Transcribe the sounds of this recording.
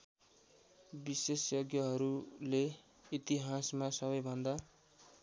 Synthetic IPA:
bisesjoɡjʌɦʌɾule | it̪iɦasmasʌβʌjbʱʌnd̪a

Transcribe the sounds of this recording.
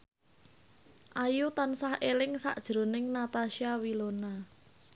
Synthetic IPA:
ʔajut̪ansahelɪŋsa̰ʔd̥ʒ̥ɾo̤nɪŋnat̪aʃiawilona

